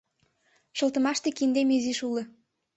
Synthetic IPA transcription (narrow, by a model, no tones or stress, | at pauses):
ʃɤ̆lt̪ə̆mɑʃt̪ekind̪emiziʃulɤ̆